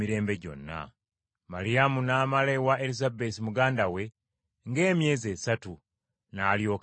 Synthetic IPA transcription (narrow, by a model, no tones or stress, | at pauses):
iɾe̞ːmbe̞ɟo̞̰nːa̰ | maɾiamunaːmalewaelizabesimuɡaːndawe̞ | ŋɡe̞ːmje̞ːze̞satu | naljo̞ːk